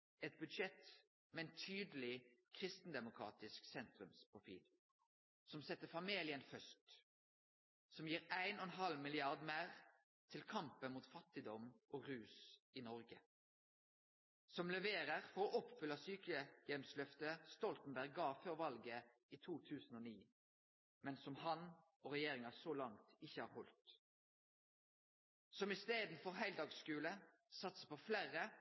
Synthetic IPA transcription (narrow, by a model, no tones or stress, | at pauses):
ɛt̪̚bʉd̪ʃɛt̪ | mɛɛnt̪ʰyːd̪əl̩ɪkʰʁɪst̪n̩d̪ɛmʊkʰʁɑ̰ːt̪ɪsksɛnt̪ɾʉmspʰʁʊfḭːl | sɔmsɛt̪ːəfɑmiːlɪənfœst̪ | sɔmjiːʁæɪnɔɛnɦɑlmɪlɪɑʁd̪mæɪʁ | t̪ʰɪlkʰɑmpənmuːt̪fɑt̪ɪd̪ɔmʔoːʁʉːsiːnɔʁɡə | sɔmlɛʋeːʁəʁfɔʁoːʔɔpfʏlːɑsyːkəjɛmslœft̪əst̪ɔlt̪n̩bæʁɡɑːføːʁʋɑlɡə | iːt̪ʰuːt̪ʰʉːsn̩oːniː | mɛnsɔmhɑn | oːʁɛjeːʁɪŋɑsoːlɑŋt̪ɪçəhɑ̰ːʁhɔlt̪ | sɔmɪst̪eːd̪n̩fɔʁhæɪld̪ɑːɡskʉːlə | sɑt̪sə̥pʰoflæːʁə